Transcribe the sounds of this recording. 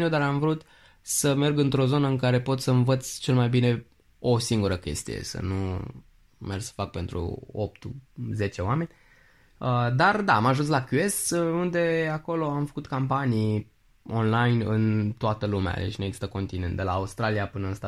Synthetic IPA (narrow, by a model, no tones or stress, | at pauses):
nud̪aɾamvɾut̪ | səme̞rɡɨnt̪ɾo̞zo̞nəɨŋkaɾe̞po̞t̪ssəɨnvət̪sʲt͡ʃe̞lmajbine̞ | osiŋɡuɾəkʲe̞̰st̪ḭjḛsə̰nu | mersə̥fak̚pe̞nt̪ɾṵop̚t̪uze̞t͡ʃe̞oame̞nʲ | əd̪ard̪amaʒuns̬lakʲuesund̪e̞ako̞lo̞amfə̥kut̪kampanij | o̞nlajnɨ̰nt̪oat̪əlumea̰lḛt͡ʃʲnueɡzi̥st̪əko̞nt̪ine̞nt̪d̪e̞laːust̪ɾalijapɨnəɨnst̪a